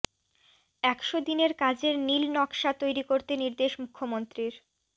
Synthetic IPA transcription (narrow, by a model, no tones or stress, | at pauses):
ɛkʃod̪ineɾkad͡ʑeɾnilnɔkʃat̪ojɾikoɾt̪eniɾd̪eʃmukʰːomont̪ɾiɾ